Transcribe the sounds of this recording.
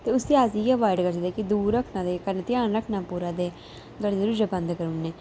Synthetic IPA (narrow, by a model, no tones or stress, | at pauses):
t̪eːʊseːaːziːjɛʋaːɪɖkəɾsəd̪eːkɪd̪uːɾəkʰnãːd̪eːkənt̪ɪjaːnɾəkʰnãːpuːɾãːd̪eː | ɡəɽeɾʊd͡ʒəbənd̪kəɾʊnːeː